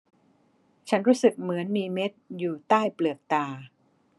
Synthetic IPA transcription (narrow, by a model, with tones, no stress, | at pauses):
t͡ɕʰa˦˥nɾuː˦˥sɯ˨˩k̚mɯ˩˦ənmiː˧me˦˥t̪̚juː˨˩t̪aː˥˩jplɯ˨˩ək̚t̪aː˧